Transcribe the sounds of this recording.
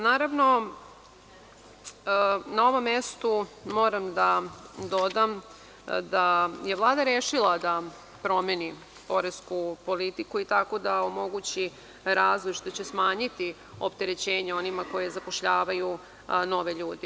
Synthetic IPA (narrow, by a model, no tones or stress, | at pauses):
naːɾaʋno̞ | nao̞ʋo̞mːe̞st̪umo̞ːɾamd̪ad̪o̞d̪am | d̪aje̞ʋlˠaːd̪aɾeːʃilˠad̪a | pɾo̞meni | po̞ɾeskupo̞lit̪ikuit̪akod̪ao̞mo̞ɡut͡ɕi | ɾaːzlˠojʃt̪ot͡ɕesmaːɲit̪i | opt̪e̞ɾe̞t͡ɕeːɲeo̞nimako̞jezapoʃʎaːʋaju | no̞ʋe̞ʎuːd̪i